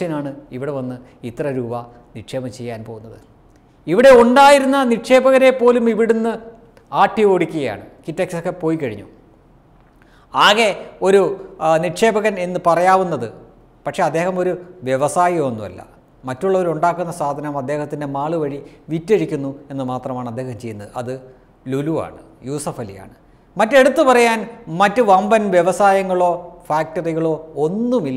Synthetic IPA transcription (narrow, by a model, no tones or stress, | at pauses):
ɐnaːɳɨiʋiɽe̞ʋɐnːɨ | it̪ːrɐɾuːbɐ | niʈʂe̞ːbɐmt͡ɕe̞jːaːnpo̞ːɣunːɐðɨ | iʋiɽe̞uɳɖaːjiɾunːɐniʈʂe̞ːbɐɣɐne̞pːo̞ːlumiʋiɽunːɨ | aːʈːio̞ːɽikʲːuɣɐja̰ːɳɨkitːeksokːe̞po̞ːjikːɐɻḭɲːu | aːɣe̞o̞ɾuniʈʂe̞ːbɐɣɐne̞nːɨpɐrɐjaːʋunːɐðɨ | pɐʈʂe̞ɐd̪ːe̞ːhɐmo̞ɾuʋje̞ʋɐsaːjɐmonːumɐ̰lːɐ̰ | mɐtːuɭːɐʋɐɾuɳɖaːkːunːɐsaːd̪ʱɐnɐmɐd̪ːe̞ːhɐt̪ːinde̞maːɭuʋɐɻiʋitːeɻikʲːunːue̞nːɨmaːt̪rɐmaːɳɐd̪ːe̞ːhɐmt͡ɕe̞junːɐðɨɐ̰ðɨ | lulua̰ːɳɨ | juːsɐfɐlḭja̰ːɳɨ | mɐtːe̞ɽut̪ːupɐrɐjaːnmɐtːɨʋɐmbɐnʋje̞ʋɐsaːjɐŋːɐɭo̞ːfaːk̚tɐriɣɐɭo̞ːo̞nːumilːɐ